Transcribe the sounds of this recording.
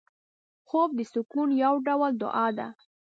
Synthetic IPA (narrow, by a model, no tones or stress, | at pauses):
xob̚d̪əsukunjawɖawəld̪ʊ̰ʔɑd̪a̰